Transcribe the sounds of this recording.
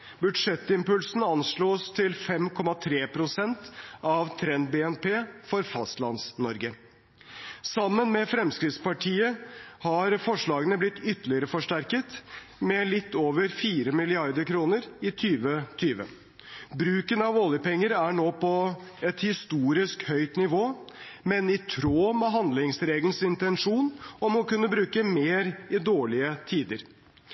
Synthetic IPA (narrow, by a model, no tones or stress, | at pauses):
bʉd̪ʂɛt̪ːɪmpʉlsn̩ɑnʂɭoːst̪ʰɪlfɛmkʰɔmːɑt̪ʰɾeːpʰɾʊsɛnt̪ʔɑʋt̪ʰɾɛnd̪̚bɛːɛnpʰeːfɔɾfɑst̪lɑ̰nsnɔɾɡə | sɑmːənmɛfɾɛmskɾɪt̪spɑʈʰiːəhɑɾfɔʂɭɑːɡənəblɪt̪ːʏt̪ːəlɪəɾəfɔʂʈæɾkət̪ | mɛlɪt̪ːoːʋəɾfiːɾəmɪlɪɑɾd̪əɾkʰɾuːnəɾɪt̪ʰyːʋət̪ʰyːʋə̰ | bɾʉːkənɑʋoːljəpɛŋːəɾæɳoːpʰɔɛt̪hɪst̪uːɾɪskhœʏt̪nɪʋoːmɛnɪt̪ʰɾoːmɛɦɑnd̪lɪŋsɾeːɡl̩sɪnt̪ɛnʂuːnɔmɔkʉnːəbɾʉːkəmeːɾɪd̪oːɭɪət̪ʰiːd̪əɾ